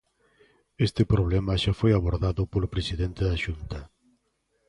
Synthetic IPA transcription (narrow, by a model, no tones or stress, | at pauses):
est̪ɪpɾoβ̞lɛmaʃafojaβoɾðaðʊpolʊpɾesiðent̪eðaʃunt̪ɐ